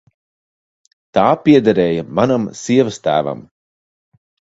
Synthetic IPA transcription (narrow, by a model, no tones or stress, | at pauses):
t̪aːpʲiɛd̪aɾɛːjamanamsiɛvɨst̪æ̰ːva̰m